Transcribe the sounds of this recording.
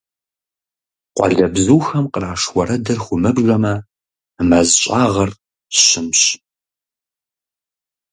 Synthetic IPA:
qʷɑ̰ɮɐbzuːxɐmqəraːʂwʷɔɾɐdɐrxʷʊmɨbʒʷɐmɐ | mɐzɕʼaːʁɐr | ɕɪmɕ

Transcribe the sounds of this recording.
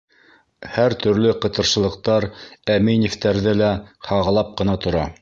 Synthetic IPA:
hæɾt̪ɵ̆ɾlɘqɤ̆t̪ɤ̆ɾʃɤ̆lˠɤ̆q̚t̪ɑɾæminift̪æɾðɘlæhɑʁɑ̆lˠɑp̚qɤ̆nɑt̪ŏɾɑ

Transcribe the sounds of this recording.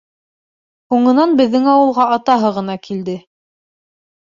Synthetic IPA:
huɴɤ̆nɑnbɘ̆ðːɘŋɑwɤ̆lˠʁɑʔɑt̪ɑɦɤʁɤ̆nɑkild̪ɘ

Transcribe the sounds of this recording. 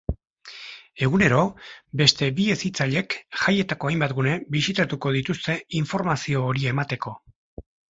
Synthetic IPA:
e̞ɣ̞une̞ɾo̞be̞st̪e̞bie̞sit͡saʎe̞kʝaje̞t̪ako̞ajmbat̪ɡune̞bisit̪at̪uko̞ð̞it̪ust̪e̞iɱfo̞ɾmasio̞ːɾie̞mat̪e̞ko̞

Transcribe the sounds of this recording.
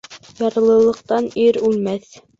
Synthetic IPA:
jɑɾlˠɤ̆lˠɤ̆q̚t̪ɑniɾʉlmæθ

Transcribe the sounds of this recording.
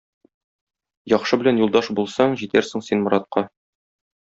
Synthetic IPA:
jɒχʃɤbɘ̆lænjulˠd̪ɑʃbulˠsɑɴʑit̪æɾsɘ̆ŋsinmŏɾɑt̪̚qɑ

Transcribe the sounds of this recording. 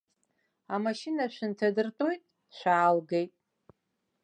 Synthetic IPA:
amaʃinaʃʷᶣɨntʰadɨrtʼujtʼ | t͡ɕʷʰᶣaːlɡe̞jtʼ

